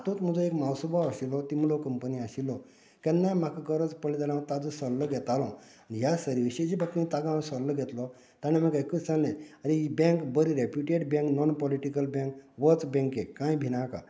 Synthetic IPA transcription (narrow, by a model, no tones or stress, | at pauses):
at̪ot̪m̤əd͡zũekmawsubaʋəɕilɔt̪imlɔkəmpəniaɕilɔ | kɛ̃nːam̤akakəɾət͡spəlit̪anãt̪ad͡zusəɾləɡʱɛt̪alɔ̃ | nijasəɾiʋiɕəjd͡ʑibʱak̚t̪ĩt̪aɡãsəɾləɡʱɛt̪lɔ | t̪aneməɡajkət͡sallẽaɾibɛ̃ŋkbəɾiɾepjuʈeɽbɛ̃ŋknɔnpɔliʈikəlbɛ̃ŋkʋət͡sbɛ̃ŋkekãjbʱinaka̰